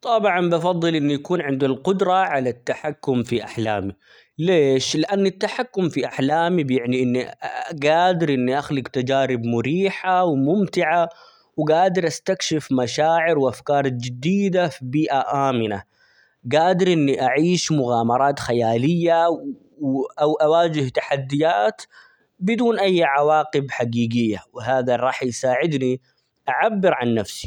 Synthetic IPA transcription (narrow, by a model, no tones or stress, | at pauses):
t̪ˤɑbʕɑmbɑfɑðˤːɨlʔɪnːijakuːnʕɪnd̪alqʊd̪ɾˤɑʕalat̪ːaħakːʊmfiʔaħla̰ːmi | leːʃlɪʔanːɪt̪ːaħakːʊmfiʔaħlaːmibjaʕniʔɪnːiɡaːd̪ɪɾʔɪnːiʔaxlɪkt̪ad͡ʒaːɾɪbmʊɾiːħawmʊmt̪ɪʕa | wɡaːd̪ɪɾʔast̪akʃɪfmaʃaːʕɪɾwʔafkɑːɾˤd͡ʒɪd̪iːd̪afibiːʔaʔaːmɪna | ɡaːd̪ɪɾʔɪnːiʔaʕiːʃmʊɣaːmɑɾˤɑːt̪xajaːlɪjːa | ʔawʔawaːd͡ʒɪht̪aħad̪ːɪjaːt̪ | bɪd̪uːnʔajːʕawɑːqɪbħaɡiːɡɪjːa̰wɪɦaːðaɾˤɑːħjsaːʕɪd̪ni | ʔaʕabːɪɾʕanːafsi̥